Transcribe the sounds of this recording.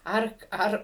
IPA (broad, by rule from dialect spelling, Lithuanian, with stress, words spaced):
ˈɐr ˈɐr